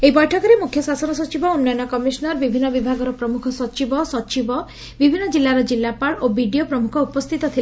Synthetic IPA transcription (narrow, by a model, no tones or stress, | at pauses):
ejpɔjʈʰɔkɔɾemukʰjɔsasɔnɔsɔt͡ʃibɔunːɔjɔnɔkɔmisɔnɔɾbibʱinːɔbibʱaɡɔɾɔpɾɔmukʰɔsɔt͡ʃibɔsɔt͡ʃibɔ | bibʱinːɔd͡ʒilːaɾɔd͡ʒilːapaɭobiɖijopɾɔmukʰɔupɔst̪ʰit̪ɔt̪ʰil